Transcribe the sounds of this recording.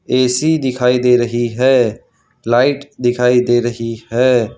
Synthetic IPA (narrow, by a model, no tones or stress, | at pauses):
eːsid̪ɪkʰaːid̪eːɾəɦiɦɛː | laːɪʈd̪ɪkʰaːid̪eːɾəɦiɦɛː